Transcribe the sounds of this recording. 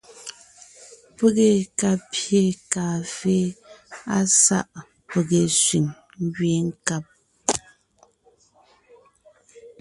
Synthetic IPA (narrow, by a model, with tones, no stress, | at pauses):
pə˦ɣe˨ka˨pje˦˨kaː˨fe˦a˦sa̰˦˨ʔ | pə˨ɣe˨sɥi˨ŋ | ŋ˦ɡɥe˦ŋ̩˦ka˦˨p̚